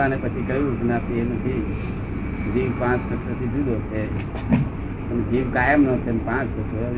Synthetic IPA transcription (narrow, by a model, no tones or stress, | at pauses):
anepət͡ʃʰikəjũkʰnat̪ʰienət̪ʰi | d͡ʒiʋpãːt͡ʃkəsət̪ʰid͡ʒud̪ʱot͡ʃʰe | ənd͡ʒiʋkaːjəmnõt͡ʃʰenpãt͡ʃpəsʰo